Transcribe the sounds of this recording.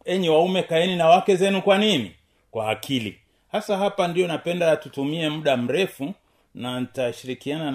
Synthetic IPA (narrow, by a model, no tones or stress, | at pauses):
ɛɲiwaumɛkaɛninawakɛzɛnukwaninḭ | kwaːkʰilḭ | hasaɦapandijɔnapɛndatutumiɛm̩ɗam̩ɾɛfu | nanitaʃiɾikiana